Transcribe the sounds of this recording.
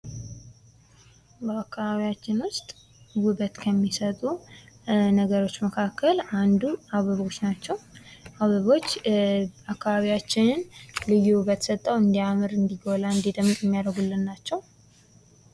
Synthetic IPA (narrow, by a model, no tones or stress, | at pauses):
bəakʰːaβaβijat͡ʃːɪnwʊst̪ʼ | wuβət̪kʰəmːisət̪ʼu | nəɡəɾo̞t͡ʃːməkʰakːəland̪uaβəβo̞t͡ʃːnat͡ʃːɛwʔaβəβo̞t͡ʃː | akʰːaβaβijat͡ʃːɪnɨnlɨjːuwuβət̪ʰsət̪ʼːəwɨnd̪ijamɨɾɨnd̪iɡolaɨnd̪id̪mːɨt̪ʼjɛmːijaɾəɡulːɨnːat͡ʃːɛw